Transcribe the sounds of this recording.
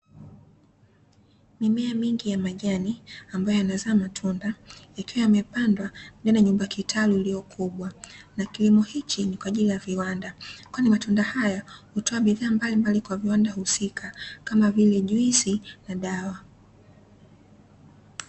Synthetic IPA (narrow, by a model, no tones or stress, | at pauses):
mimɛamiŋɡijamaʄaniambajɔjanazaːmatʰundaikiwajamɛpandwanɛnaɲumbakitʰaluiliɔkʰuɓwanakilimɔhit͡ʃinikwaːʄilijaviwandakwanimatundahajahutɔaɓiðaːmbalimbalikwaviwandahusikʰakamavilɛʄuisinaɗawa